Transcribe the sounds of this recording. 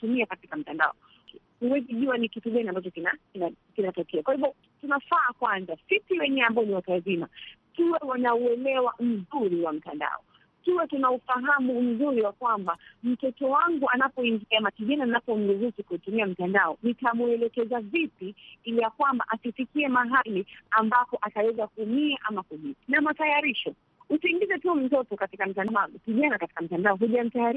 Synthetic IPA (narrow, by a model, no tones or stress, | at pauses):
tumiakati̥kam̩tanda̰ɔ̰ | huwɛziʄuwanikituɠaniambat͡ʃɔkinakinakinatɔkɛakwahiɓɔ | tunafaːkwanzasipiwɛɲɛambaɔniwatazima | kiwɛwanauɛlɛwam̩zuɾiwam̩tanda̰ɔ̰ | kiwɛtunaufaɦamum̩zuɾiwakwambam̩tɔtɔwaŋɡuanapɔiŋɡizamakiʄananapɔm̩ɡuzukikutumiam̩tandaɔnitamuɛlɛkɛzavipiilijakwamba̰ʔasifikiɛmaɦaliambapɔʔatawɛzakumiaʔamakuʄiinamatajaɾiʃɔ | usiiŋɡizɛtum̩tɔtɔkatikam̩taakiʄanakati̥kam̩tandaɔɦuʄam̩tajaɾi